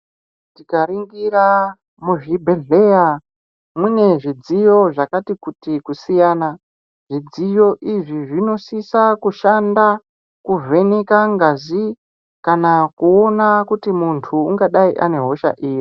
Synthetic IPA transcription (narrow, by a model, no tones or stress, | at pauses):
tikaɾiŋɡiɾa | muʐibʱe̞ɮeja | mwune̞ʐid͡zijo̞ʐakatikutikusijaːna | ʐ̥id͡zijo̞ʔiʐiʐino̞sisakuʃanda | kuve̞nekaŋɡazi | kanakuo̞nakutimuntʰuːŋɡaɗaiʔa̰ne̞ɦo̞ʃa̰ʔiːri